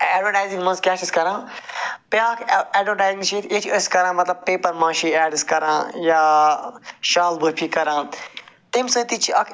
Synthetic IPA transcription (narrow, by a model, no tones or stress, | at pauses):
ɛːɖʋɐʈaːjzĩŋmɐ̃nzkɛːʃiskɐɾãːpjaːkʰɛːɖʋəʈaːzĩŋʃiːt̪ʰet͡ʃʰəskɐɾãːmɐt̪lɐb̚peːpɐɾmãːʃiːɛːɖskɐɾãːjaː | ʃaːlbuɾpʰikɐɾãːt̪emsə̃ːt̪it͡ʃʰɐkʰ